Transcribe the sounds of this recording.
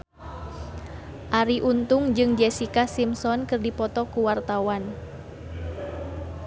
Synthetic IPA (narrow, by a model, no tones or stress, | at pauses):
ʔaɾiʔunt̪ʊŋd͡ʒɨŋd͡ʒɛsikasimsɔnkɨrdipɔt̪ɔkuwart̪awan